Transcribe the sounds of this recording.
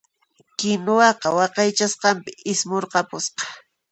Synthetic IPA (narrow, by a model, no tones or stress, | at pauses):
kɪnʊwɑqɑwɑqɑjt͡ʃasqɑmpɪʔɪsmoɾqɑpʊsqɑ̥